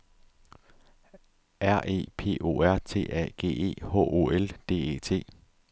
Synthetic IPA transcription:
ʔæɐ̰ʔe̝̰ːpʰe̝̰ːʔo̝̰ːæɐ̰t͡sʰe̝̰ːɛ̰ɡ̥e̝̰ːe̝̰ːhɔ̰ʔo̝̰ːeld̥e̝̰ːḛːt͡sʰe̝̰ː

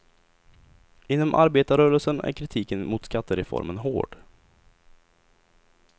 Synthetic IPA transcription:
ʔɪnːɔmʔa̰ɾbeːt̪aɾœːɾəlsənæ̰ɾkʰɾɪt̪ʰiːkənmʊt̪skat̪ːəɾɛfɔ̰ɾmənɦo̰ːɖ̥

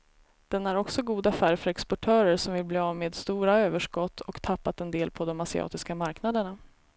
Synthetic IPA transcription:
d̪̥ɛnæɾɔksɔɡuːd̪afæːɾfœɾɛkspɔʈʰœːɾəɾʂɔmvɪlbliːavmeːd̪st̪uːɾaøːvəʂkɔt̪ʰːɔkt̪ʰapːat̪ɛnd̪eːlpʰɔd̪ɔmasɪɑ̰ːt̪ɪskamaɾknad̪əɳa

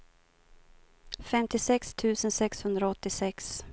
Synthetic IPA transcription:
fɛmt̪ɪsɛkst̪ʰʉ̟ːsənsɛkshɵnd̪ɾaɔt̪ːɪsɛks

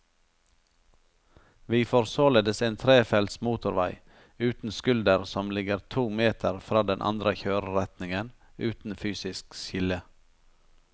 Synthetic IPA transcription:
ʋiːfɔɾsoːleːd̪əseːnt̪ʰɾeːfɛlt̪smuːt̪ʊɾʋæɪ | ʉːt̪n̩skʉld̪əɾsɔmlɪɡəɾt̪ʰuːmeːt̪ʰəɾfɾɑːd̪ɛnʔɑ̰nd̪ɾəçøːɾəɾɛt̪nɪŋən | ʉ̰ːt̪n̩fyːsɪsksɪlə

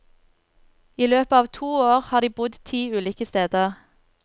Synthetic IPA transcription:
iːløːpəɑːʋt̪ʰuːoːʁhɑːd̪iːbʊd̪t̪ʰiːʉːliːkəst̪eːd̪əʁ

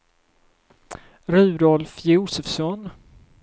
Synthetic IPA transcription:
ɾʉ̟ːd̪ɔlfjuːsɛfsɔn

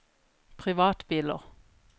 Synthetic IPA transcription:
pʰʁɪʋɑːt̪biːlə̰ʁ

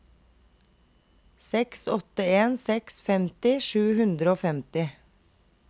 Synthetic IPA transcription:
sɛksɔt̪əeːnsɛksfɛmt̪ɪʃʉːhʉnd̪ɾəoːfɛmt̪ɪ

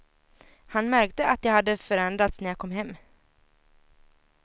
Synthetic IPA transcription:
hanmæɾk̚t̪əʔat̪̚jahad̪ːəfœɾɛnd̪ɾat̪snæɾjakʰɔmːɦɛmː

